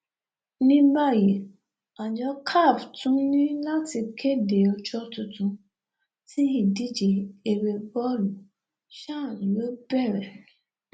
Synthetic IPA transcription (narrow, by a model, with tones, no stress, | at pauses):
nĩ˦ba˦˨je˨ | a˨d͡ʒɔ˦kʰa˦˨vtʊ̃˦nĩ˦la˦ti˨kʰe˦de˨ɔ˨t͡ʃɔ˦tʊ˨tʊ˦ | ti˦ɦi˨di˦d͡ʒe˨e˨ɾe˨bɔ˦lu˨ | ʃa˦˨lo˦bɛ˦˨ɾe˨